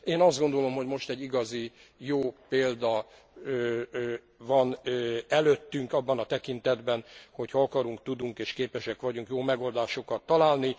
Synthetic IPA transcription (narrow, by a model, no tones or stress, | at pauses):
eːnɒzd̪ɡo̞nd̪o̞lo̞mɦo̞ɟmo̞ʃt̪ɛɟːiɡɒzijoːpeːld̪ɒ | ø | vɒnɛløt̪ːyŋkɒbːɒnɒt̪ɛkint̪ɛd̪bɛnho̞chɒɒkɒɾuŋkt̪ud̪uŋkeːʃkeːpɛʃɛkʋɒɟuŋkjoːmɛɡo̞ld̪aːʃo̞kɒt̪ːɒlaːlni